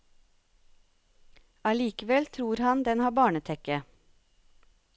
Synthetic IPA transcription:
ɑliːkəʋɛlt̪ʰɾuːɾhɑnd̪ɛnhɑːbɑːɳət̪ʰɛkə

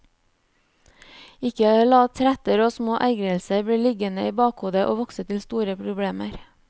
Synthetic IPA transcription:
ɪkəlɑːt̪ʰɾɛt̪əɾoːsmoːʔæɪɡɾəlsəbɽiːlɪɡənəiːbɑːkhuːd̪əʔo̰ːʋɔksət̪ʰɪlst̪uːɾəpʰɾʊbɽeːməɾ

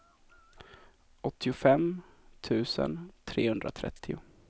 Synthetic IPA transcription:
ɔt̪ʰːɪʊfɛmt̪ʰʉ̟ːsə̰nt̪ʰɾeːhɵnd̪ɾat̪ʰɾɛ̰t̪ʰːɪʊ

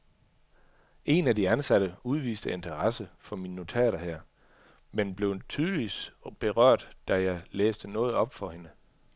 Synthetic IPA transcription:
e̝nædiænsæɾ̥əuð̞ˠʋḭːsd̥əe̝nt͡sʰɐʁɑsəfɒ̽minːo̝t͡sʰɛ̰ːɾ̥ɐhæɐ̰ | menb̥le̝ʊt͡sʰyːð̞ˠəʋisb̥e̝ʁɶɐ̰d̥d̥æjɑ̈ɪleːsd̥ənɔ̽ːð̩ˠɒ̽b̥fɒ̽he̝nə

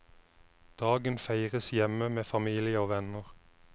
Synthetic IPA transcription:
d̪̥ɑːɡənfæɪʁəsjɛməmeːfɑmiːlɪəoːʋɛnəʁ

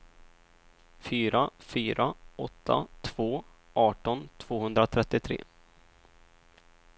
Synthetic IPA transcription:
fyːɾafyːɾʔaɔt̪ʰːa̰t̪ʰv̥oː | ʔɑːʈɔnt̪ʰv̥oːhɵnd̪ɾat̪ʰɾɛt̪ːɪt̪ʰɾḛː

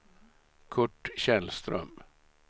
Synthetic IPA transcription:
kʰɵʈːɕɛlst̪ɾœ̰m

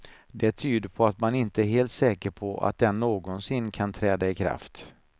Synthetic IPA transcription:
d̪ɛt̪ʰyːd̪əɾpʰɔat̪manɪnt̪əæɾɦeːlt̪sɛːkəɾpʰɔʔa̰t̪̚d̪ɛnːoːɡɔnsɪnːkʰant̪ʰɾɛːd̪aɪkʰɾa̰ft̪

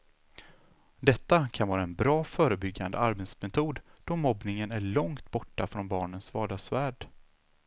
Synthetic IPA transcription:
d̪ɛt̪ːakʰanvɑːɾaɛnbɾɑːfœːɾəbʏɡːa̰nd̪ə̰aɾbɛt̪smɛt̪ʰuːd̪d̪̥ɔmɔbnɪŋənæɭɔŋt̪bɔʈːafɾɔnbɑːɳənsvɑːd̪ɑsvæːɖ

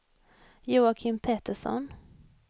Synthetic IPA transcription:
juːakʰɪmpʰet̪əʂɔ̰n

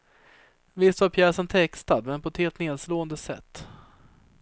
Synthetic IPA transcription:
vɪst̪vaɾpʰjæːʂənt̪ʰɛkst̪ad̪mɛnpʰɔɛt̪heːlt̪neːd̪sloːənd̪əsɛ̰t̪ː

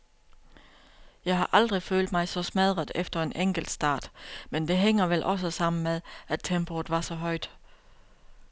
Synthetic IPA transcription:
jɑ̈ɪɦɑ̈ʔɑ̈ld̥ʁifø̰ːld̥mɑ̈ɪsɒ̽smæð̞ˠʁəðˠefd̥ɐe̝nʔeŋ̰ɡ̥l̩d̥sd̥ɑ̰̈ːd̥mend̥e̝ɦeŋ̰ɐʋelʔɒ̽s̬əsɑ̈m̰n̩meðˠæt͡sʰemb̥oð̩ˠʋɑ̈sɒ̽ɦɒ̽ɪ̰d̥

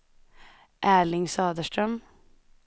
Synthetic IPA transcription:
ʔæːɭɪŋsɑːd̪əʃtɾəm

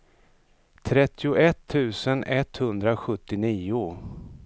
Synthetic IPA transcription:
t̪ʰɾɛt̪ːɪʊʔɛt̪ʰːʉ̟ːsənɛt̪hɵnd̪ɾaɧɵt̪ːɪniːʊ

